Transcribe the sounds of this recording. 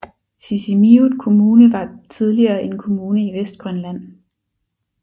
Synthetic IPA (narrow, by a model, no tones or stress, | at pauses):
sisimiu̥kʰo̝muːnəʋɑ̈t͡sʰið̞ˠliɐːʔe̝nkʰo̝muːnəiʋesd̥̚ɡ̥ʁɶnlæn̰